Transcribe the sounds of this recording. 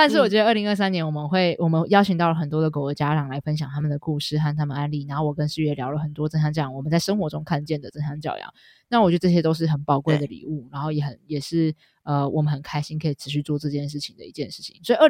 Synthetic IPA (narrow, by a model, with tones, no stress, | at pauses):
t̪a˥nʂ̬̩˥˩wɔ˨˩t͡ɕɥɛ˧˥də˧ə˥˩li˧˥ə˥˩sa˥njɛ˧˥nwɔ˨˩mə˧˦nxwe˥˩ɪwɔ˨˩mə˧˦njɑ˥ʊt͡ɕʰi˨˩ŋt̪ɑ˥˩ʊlə˩xə˨˩nt̪wɔ˥d̪ə˩ko˨˩ə˧˥t͡ɕja˥ʈ͡ʂɑ˨˩ŋla˧˥ɪfə˦˥nɕ̬jɑ˨˩ŋt̪ʰa˥mə˨nd̪ə˩ku˥˧ʂɻ̩˥˧xa˥˩nt̪ʰa˥mə˨˩a˧˥nli˥˨˩na˧˥nxo˥˩ʊwɔ˨˩kə˦nʂɻ̩˥˩ɥɛ˥˩ljɑ˧˥ʊlə˨˩xə˨˩nt̪wɔ˥ʈ͡ʂə˥na˥nʈ͡ʂɤ˥˩jɑ˥˩wɔ˨˩mə˦nt͡sa˥˩ɪʂə˥ŋxwɔ˧˥ʈ͡ʂʊ˥ŋkʰa˥˧nt͡ɕjɛ˥˩nd̪ə˩t͡sə˥nɕa˥nt͡ɕjɑ̰˥˩ʊjɑ̰˨˥˦ | na˥˩wt͡ɕɥ̪ə˩ʈ͡ʂɕjɛ˥t̪o˥ʊʂ̬ɻ̩˥˩xə˨˩npɑ˨˩ʊkwe˥˩ɪd̪ə˩lḭ˨˩˦u˥˩na˧˥nxo˥˩ʊjɛ˧˩xə˨˩njɛ˨˩ʂɻ̩˥˩ | ə˧wɔ̰˨˩mə˨˦nhə˨˩nkʰa˥ɪɕi˥nkʰɤ˧˥i˨˩ʈ͡ʂʰɻ̩˧˥ɕy˥˧t͡swɔ˥˧ʈ͡ʂɤ˥˧t͡ɕjɛ˥˧nʂ̬ɻ̩˥˩t͡ɕʰi˨ŋd̪ə˩ḭ˧˥t͡ɕjɛ˥˧nʂɻ̩˥˩t͡ɕʰi̥̰˨˦ŋswɔ˧˥i˨˩ə˥˩